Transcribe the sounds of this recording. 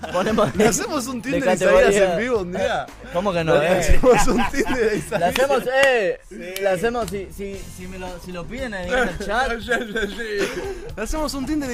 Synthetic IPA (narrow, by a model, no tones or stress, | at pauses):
ponemolasemos̬unt̪ind̪edekaseaɾɣoɾiaiseambiβound̪ia | komokenosemosunt̪ind̪eðsalasemose | las̬emosisisimelosilopjenenielt͡ʃat̪ʃaʒaʃilasemosunt̪̬ind̪e